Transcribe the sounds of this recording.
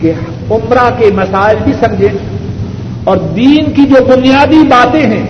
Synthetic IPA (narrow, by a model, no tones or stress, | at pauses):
ke | ʊmɾakemɐsaːɪlbʱisɐ̃md͡ʒʱẽ | ɔːɾd̪iːnkid͡ʒoːbʊnijaːd̪ibaːt̪ẽɦɛ̃ː